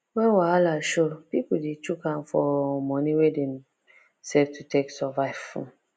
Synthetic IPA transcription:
wɛ̃nwaalaʃopipudet͡ʃukãmfɔmɔ̃niwedɛ̃m | sɛvtutʰeksɔvaɪfɔ̰̃

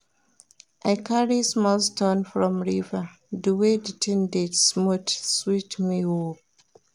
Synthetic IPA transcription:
ʔaɪkʰaɹismɔstɔ̃nfɹɔ̃mɹiva | duweditʰĩndesmotswitmiwom

